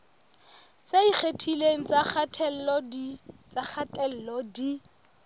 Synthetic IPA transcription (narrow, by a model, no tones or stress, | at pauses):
seik͡xʰetʰileŋ̩t͡sʼaχatʰɛlɔdit͡sak͡xʰatʼɛl̩lɔdi